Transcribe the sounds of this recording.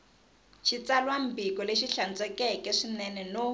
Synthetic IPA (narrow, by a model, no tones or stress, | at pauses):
t͡ʃʰit͡salwam̩bikɔleʃiɬant͡sʼɛkɛkɛʂinɛnɛno